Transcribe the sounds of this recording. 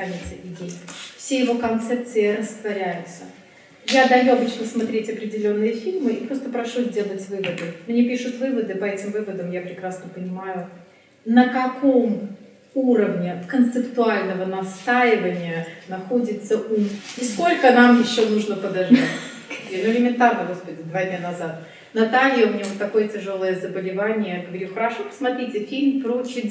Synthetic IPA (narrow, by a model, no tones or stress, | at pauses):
anʲɪt̪səʔɪdʲejfsʲejɪvo̞kɐnt̪sɛp̚t̪sɨɪɾəst̪vɐɾʲæjʊt̪sə | jad̪ɐjuɐbɨt͡ɕnəsmɐt̪ɾʲetʲɐpɾʲɪdʲɪlʲo̞nːɨjəfʲilʲmɨipɾo̞st̪əpɾɐʂuzʲdʲe̞lˠətʲvɨvəd̪ɨmnʲepʲiʂʊt̪vɨvəd̪ɨpɐɛtʲɪmvɨvəd̪əmjapɾʲɪkɾasnəpənʲɪmajʊ | nəkɐkʰom | uɾəvnʲɪkənt̪sɨpt̪ʊalʲnəvənɐst̪ajɪvənʲɪjənɐxodʲɪt̪səʔumɪsko̞lʲkənamjɪɕːonuʐnəpəd̪ɐʐd̪atʲ | lʲɪmʲɪnt̪arnəɡo̞spədʲɪd̪vad̪ʲnʲanɐzat̪ | nɐt̪alʲjəmʲnʲevot̪ːɐko̞jətʲɪʐolˠəjəzəbəlʲɪvanʲɪjəɡəvɐɾʲuxəɾɐʂopə̥smɐt̪ɾʲitʲɪfʲilʲmpɾot͡ɕɪ